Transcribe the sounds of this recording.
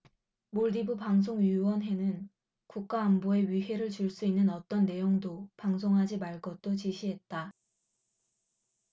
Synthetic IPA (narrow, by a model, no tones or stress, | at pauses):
moɭdibupaŋs̬ʰoŋɥiwʌnɦe̞nɯn | kuk̚k͈aːmboe̞ɥiɦe̞ɾɯɭt͡ɕuɭs͈uinːɯnʌt͈ʌnːe̞joŋdopaŋs̬ʰoŋɦad͡ʑimaɭɡʌt͈ot͡ɕiɕʰiɦe̞t̚t͈a